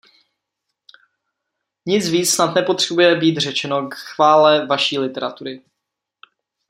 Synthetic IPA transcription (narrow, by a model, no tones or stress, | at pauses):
ɲɪt͡sviːt͡ssnat̪nɛpo̞t̪r̝̥ɛbujɛbiːt̪r̝ɛt͡ʃɛno̞kxvaːlɛvaʃiːlɪt̪ɛɾat̪uɾɪ